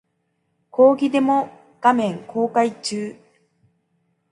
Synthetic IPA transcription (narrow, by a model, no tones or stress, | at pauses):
ko̞ːɡʲid̪e̞mo̞ | ɡ̥amẽ̞ŋko̞ːkait͡ɕɨː